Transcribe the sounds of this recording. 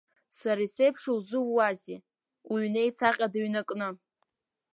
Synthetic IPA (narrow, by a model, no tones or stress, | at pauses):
saɾasejpʰʂowzɨwːaze | uɥnejt͡sʰaqʲʼadaɥnakʼnɨ